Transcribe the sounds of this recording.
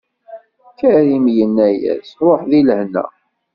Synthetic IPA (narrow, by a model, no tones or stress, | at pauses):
kæɾimjənːæjæ̰sɾˤoħðilhnæ̰